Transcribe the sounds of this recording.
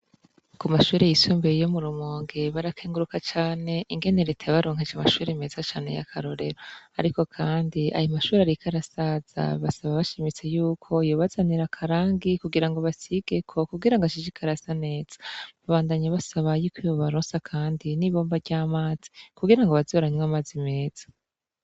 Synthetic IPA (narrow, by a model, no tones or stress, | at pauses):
kumaʃuːɾejisuːmbeijo̞muɾumoːŋɡeβaɾakʰeːŋɡuɾukat͡ʃaːne̞ʔiŋɡe̞neɾetʰeβaɾo̞ːŋ̥ɦed͡ʒamaʃuːɾemezat͡ʃaːne̞̰ja̰kʰaɾo̞ɾe̞ɾoa̰ɾiko̞kʰaːndia̰jomaʃuːɾeaɾikʰaɾasaz̥a̰βasaβaβaʃimit͡se̞juːkʰo̞ijoβazaniɾakʰaɾaːŋɡikuɡiɾaŋɡo̞βasiɡ̥e̞kʰo̞kuɡiɾaŋɡaʃid͡ʒikʰaɾasane̞ːz̥ḁβaβaːndaɲaβasaβajuːkiβoβaɾoːnsakʰaːndiniβo̞ːmbaɟaːmaːz̥ikuɡiɾaŋɡoβazoɾaɲwaːmaːzime̞ːz̥ḁ